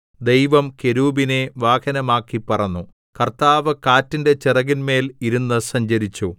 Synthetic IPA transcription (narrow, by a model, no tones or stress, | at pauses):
d̪ejʋɐmke̞ɾuːbineʋaːhɐnɐmaːkːipɐrɐɲːu | kɐrt̪aːʋɐkaːtːinde̞t͡ɕirɐɣinme̞ːliɾunːɨsɐɲd͡ʑɐɾit͡ɕːu